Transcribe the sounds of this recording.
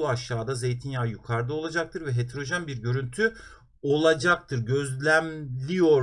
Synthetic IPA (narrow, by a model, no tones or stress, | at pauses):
uaʃaːd̪aze̞jt̪ʰinjaːjykʰaɾd̪ˠɯo̞lˠad͡ʒak̚t̪ʰɯɾvɛɦet̪ʰɾo̞ʒanbiɾɟø̞ɾynt̪ʰy | o̞lˠad͡ʒak̚t̪ʰɯɾɟø̞zlʲæmlʲijo̞ɾ